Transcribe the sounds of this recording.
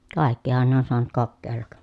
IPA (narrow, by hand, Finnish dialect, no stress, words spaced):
kɑˑekːihɑn ne on soɑnut kokːeːlːɑk